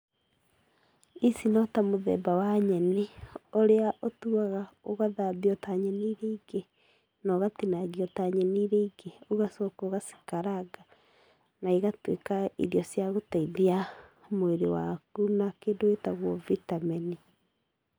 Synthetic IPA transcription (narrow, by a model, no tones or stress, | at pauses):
isinɔtamoðɛ̰bawaɲɛneoɾeaʔotuaɣaoɣaðaːðiɔtaɲɛniɾeiɡe | nɔɣatinaɣiɔtaɲɛniːɾeiɡeoɣasɔkoɣasi̥kaɾaɡa | naiɣatwḛkaḭðjɔsjaɣotaiðiamweɾewa̰kunakeːndoetaɣwɔvitamɛni